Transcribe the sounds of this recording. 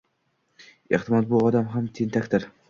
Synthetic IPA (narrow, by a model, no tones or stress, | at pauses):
eχt̪ɪmɒd̪̚bʊɒd̪amɦamt̪ʰent̪ʰakʲt̪ɪɾ